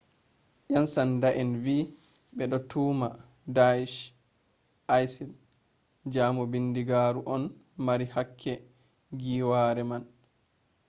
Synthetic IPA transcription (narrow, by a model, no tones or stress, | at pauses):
ʔansandaʔɛnviː | ɓɛɗɔtʰuːma | daiʃ | ʔajsil | d͡ʒaːmɔbindiɡaːɾuʔɔn | maɾihakʰːɛ | ɡiːwaːɾɛman